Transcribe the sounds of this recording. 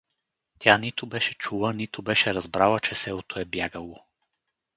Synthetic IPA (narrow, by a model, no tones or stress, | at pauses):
t̪ʲjanit̪ʊbɛʃɛt͡ʃulˠənit̪obɛʃɛɾɐzbɾalˠət͡ʃɛsɛlˠot̪oɛbjaɡəlˠo